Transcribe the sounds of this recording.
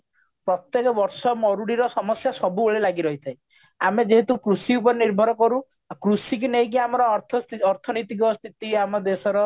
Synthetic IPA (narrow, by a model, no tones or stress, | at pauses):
pɾɔt̪jekɔbɔɾsɔmɔɾuɽiɾɔsɔmɔsjasɔbuoɭelaɡiɾɔɦit̪ʰaj | amed͡ʒeɦet̪ukɾusiup̬ɔɾeniɾbʱɔɾɔkɔɾu | kɾusikineɦĩk̬iamɔɾɔɾt̪ʰɔɾt̪ʰɔnɔjt̪ik̬ɔst̪ʰit̪iamɔd̪esɔɾɔ